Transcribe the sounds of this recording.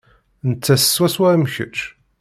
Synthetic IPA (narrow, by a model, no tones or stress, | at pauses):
nət͡sːæsə̥swæswæɾmçə̰t͡ʃ